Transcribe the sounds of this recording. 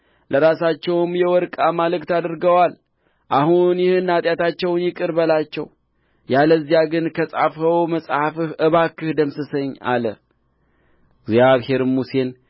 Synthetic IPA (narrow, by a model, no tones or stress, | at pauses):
ləɾasat͡ʃːɛwmjɛwɔɾkʼamalɨkt̪ad̪ɨɾɡəwal | ʔahunjɪhɨnːat̪ʼjat̪at͡ʃːɛwnjɪkʼɨɾbəlat͡ʃːɛ̰w | jaləzːijaɡɨnkʰəsʼa̰fhəwməsʼhafɨhʔɨβakːɨhd̪əmsɨsəɲːa̰lə | ɡzjaβhe̞ɾmuse̞n